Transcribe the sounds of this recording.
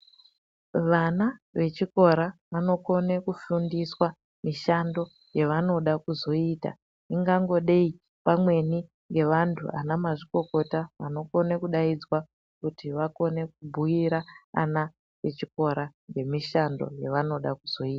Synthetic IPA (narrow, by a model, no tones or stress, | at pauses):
ʋanaʋe̞t͡ʃiko̞ɾaʋano̞ko̞ne̞kufundiswa | miʃando̞ | jeʋano̞ɗakuzo̞ita̰ | iŋɡaŋɡo̞ɗei | pamwe̞ni | ŋɡe̞ʋantʰṵʔa̰namaʐiko̞ko̞taʋano̞ko̞ne̞kuɗaid͡zwa | kutiʋako̞ne̞k̚ubʱujiɾaa̰na | ʋe̞t͡ʃiko̞ɾaŋɡe̞miʃando̞̰jeʋano̞ɗakuz̥o̞iːtḁ